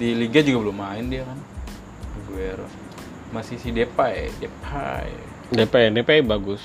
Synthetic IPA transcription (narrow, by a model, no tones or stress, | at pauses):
diliɡad͡ʒuɡabəlʊmːaɪndiakan | ɡuɛɾɔ̰ | masisidepaḛdepʰa̰ḛ | depajdepajbaɡʊs